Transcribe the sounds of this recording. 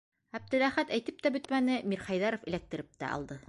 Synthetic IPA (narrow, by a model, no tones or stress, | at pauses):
æb̚d̪ɘ̆læχæt̪æjt̪ɘp̚t̪æbɵ̆t̪mænɘmiɾχɑjðɑɾŏfɘ̆læk̚t̪ɘ̆ɾɘp̚t̪æ̰ʔɑ̰lˠd̪ɤ